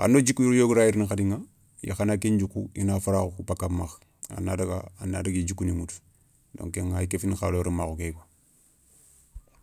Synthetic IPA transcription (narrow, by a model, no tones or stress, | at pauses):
a̰ndod͡ʒikːujuɾjoɡuɾajiɾnixadiŋa | ja̰xanakind͡ʒukṵḭnafaɾaxukupakːamax | a̰nadaɡa̰anːadaɡid͡ʒukːunimut | do̰ŋkeŋaikefinxaloɾimaxukeka